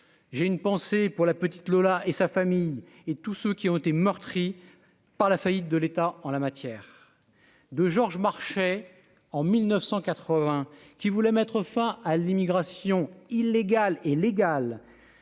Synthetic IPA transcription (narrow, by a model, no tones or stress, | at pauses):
ʒeynpɑ̃sepuʁlapət̪i̥t̪lɔlaʔesafamij | et̪usøkʲiɔ̃t̪et̪emœʁt̪χi | paʁlafajit̪̚d̪əlet̪aɑ̃lamat̪jɛːʁ | d̪əʒɔʁʒmaʁʃɛ | ɑ̃milnəfsɑ̃kat̪χəvɛ̃kʲivulɛmɛt̪χəfɛ̃alimiɡʁasjɔ̃ilːeɡaleleɡal